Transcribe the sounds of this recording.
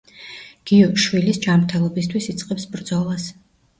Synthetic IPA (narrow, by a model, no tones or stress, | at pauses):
ɡ̥iɔɾɡʃwilisd͡ʒamɾt̪ʰɛlˠɔbist̪ʰwisit̪sʼqʼɛpsbɾd̪zɔlˠas